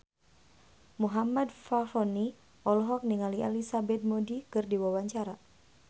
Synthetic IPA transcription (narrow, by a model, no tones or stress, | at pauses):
muɦamadfafɔni | ɔlɔɦɔk̚niŋalia̰lisabɛt̪̚modikɨrdiwawaɲt͡ʃaɾa